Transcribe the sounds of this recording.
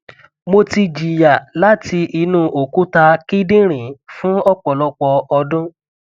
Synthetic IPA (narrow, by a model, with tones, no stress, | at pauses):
mo˧ti˧d͡ʒi˨ja˨la˨˦ti˧i˧nũ˧ʔo˨ku˦ta˧ki˦dĩ˦ɾ̃ĩ˨fũ˦ɔ˦˨k͡pɔ˨lɔ˧k͡pɔ˧ɔ˧dũ˦